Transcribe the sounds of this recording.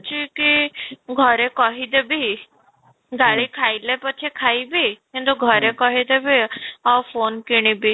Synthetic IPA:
t͡ʃʰikiɡʱɔɾekɔɦid̪ebʱi | ɡʱaɭikʰailepət͡ʃʰikʰaibʱikĩnt̪uɡʱɔɾekɔɦid̪ebʱiɔfʰonkiɽ̃ibʱi

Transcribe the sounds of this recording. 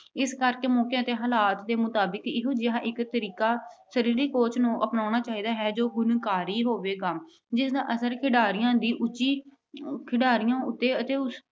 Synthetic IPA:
ɪskəɾkeːmõːkeət̪eːɦaːlaːt̪d̪eːmʊt̪aːbəkɪɦõːd͡ʒɪɦãːʔɪkt̪əɾiːkaːsəɾiːɾiːkoːt͡ʃʰnũːʔəpnaːʊnaːt͡ʃaːɦiːd̪aːɦɛːd͡ʒoːɡʊnkaːɾiːɦoːʋeːkəm | d͡ʒɪsd̪ãːʔəsəɾkʰɪɖaːɾɪjãːd̪iːʔʊt͡ʃiː | kʰɪɖaːɾɪjãːʊt̪ːeːət̪eːʊs

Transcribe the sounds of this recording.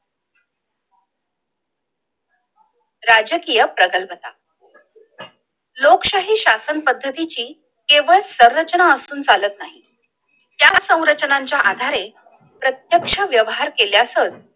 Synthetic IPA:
ɾad͡ʑəkijəpɾəɡəlpət̪a | lokɕaɦiːɕasənpəd̪ʱːət̪it͡ɕiː | keʋəɭsəɾɾət͡ɕənaəsuːnd͡zalət̪naɦi | t̪jasə̃w̃ɾət͡ɕnaɲt͡ɕjaʔad̪ʱaɾe | pɾət̪jəkʂəʋjəʋɦaɾkeljasət

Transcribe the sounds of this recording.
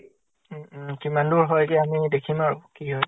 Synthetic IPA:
kimanduɹɦɔjkɛamidekʰimaɹʊkiɦɔj

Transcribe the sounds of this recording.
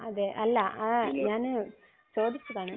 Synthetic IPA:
ɐðeʔɐlːɐʔɐɲaːn | soːd̪it͡ɕːɨkaːɳɨ

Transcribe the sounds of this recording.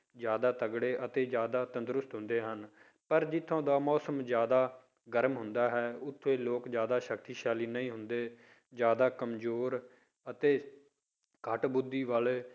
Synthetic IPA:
zjaːd̪aːt̪əɡɽeːʔət̪eːd͡ʒjaːd̪aːt̪ənd̪ɾʊst̪ɦʊ̃nd̪eːɦən | pəɾd͡ʒɪt̪ʰːõːd̪aːmɔːsəmzjaːd̪aː | ɡəɾmɦʊ̃nd̪aːɦɛːʊt̪ʰːẽːloːkzjaːd̪aːʃəkt̪iːʃaːliːnəĩːɦʊnd̪eː | zjaːd̪aːkəmzoːɾ | ət̪eː | kʰəʈbʊd̪ːiːʋaːle

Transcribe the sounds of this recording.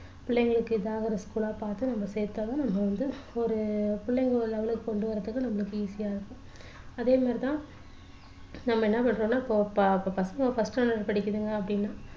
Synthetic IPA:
pɪɭːɛŋɡɐɭɯkːɯɪd̪aːɣɐɾɐskuːlaːpaːɾt̪ɯnɐmːɐsejɾt̪ːaːðãnɐmːɐʋɐnd̪ɯɔɾɯpɪɭːɛŋɡɐɭlɐʋɐlɯkːɯkɔɳɖɯʋɐɾːɐt̪ːɯkːɯnɐmːɐɭɯkːɯiːsɪjaːɪɾɯkːʊ̃ | ɐðeːmaːɾit̪ãː | nɐmːɐɛnːɐpɐɳɾõːnːaːɪpːoːpɪpːoːpɐsɐŋɡɐfɐsʈɐnɐɾpɐɽɪkːɯðɯŋɡɐːp̬ːɐɽɪnːaː

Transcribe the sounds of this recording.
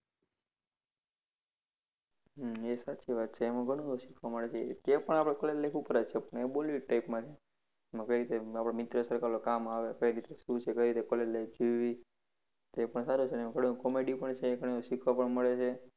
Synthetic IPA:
ɦesat͡ʃiʋat̪t͡ʃʰeːmãɡʱəɽ̃õuʃikʰʋaməɭet͡ʃʰet̪apəɳapɽ̃ekolellekupəɾət͡ʃʰepəɳebolʋiʈaipmãt͡ʃʰe | mãkəjɾit̪eapɽ̃emɪt̪ɾosəɾkaɾlokamaʋekəiɾit̪eʃũt͡ʃʰekəiɾit̪ekolelled͡ʒoʋi | t̪oepəɳsaɾut͡ʃʰenemãɡʱəɽõkɔmeɖipəɳt͡ʃʰeɡʱəɽ̃õʃikʰʋapəɳməɭet͡ʃʰe

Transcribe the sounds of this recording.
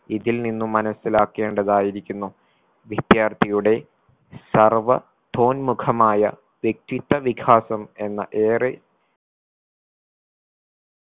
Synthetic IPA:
iðilninːumːɐnɐsːilaːkːe̞ːɳɖɐðaːjiɾikʲːunːu | ʋid̪jaːrt̪ʰijuɽe̞ | sɐrʋɐ | t̪ʰo̞ːnmukʰɐmaːjɐ̰ | ʋje̞k̚t̪it̪ːɐʋikʰaːsɐme̞nːɐʔeːre

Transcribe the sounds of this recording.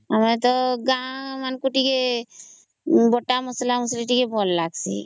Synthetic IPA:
əmet̪ɔɡãmankuʈike | bɔʈamɔslamusliʈikebʱɔlːaɡsḭ

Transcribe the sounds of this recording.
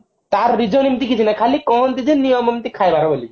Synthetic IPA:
t̪aɾːid͡ʑonimt̪ikit͡ʃʰunajkʰalikɔɦont̪id͡ʒinijomɔmt̪ikʰajbʱaɾaboli

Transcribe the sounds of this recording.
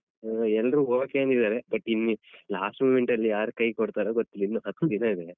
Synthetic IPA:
ɛlːɾuːoːʋokeɐnd̪id̪aːɾebɐʈːinːilaːsʈmuːmeɳʈɐlːijaːɾukɐjkoɽt̪aːɾoːɡot̪ːilːinːuɦɐt̪ːd̪ilaːid̪e

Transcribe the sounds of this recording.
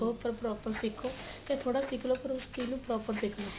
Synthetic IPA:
oːpəɾpɾɔːpəɾsɪkʰoː | t̪ɛ̃ːt̪ʰoːɽaːsɪkʰloːpəɾʊst̪iːnũːpɾɔːpəɾsɪkʰloː

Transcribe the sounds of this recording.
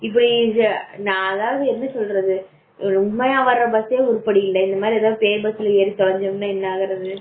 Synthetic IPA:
ɪpːɐɽinãːðaːɣɐɪnːɯsɔlɾɐðɯ | ɾʊmːɐjaːʋɐɾɾɐbɐseːʊɾʊpːɐɽɪjɪlːɐɪnd̪ɐmaːd̪ɾiɐðaːɯpeːɾbɐsɪlɐeːɾit̪ɔɻɐɲd͡ʒɐmnaːɛnːɐaːɣɪɾɐðɯ

